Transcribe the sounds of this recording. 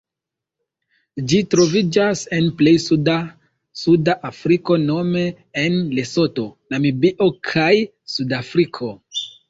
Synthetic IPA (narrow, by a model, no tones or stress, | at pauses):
d͡ʒitɾo̞vid͡ʒase̞nple̞jsuda | sudaʔafɾiko̞no̞me̞ː | nle̞so̞to̞namibiʔo̞kʰaj | sudafɾikʰo̞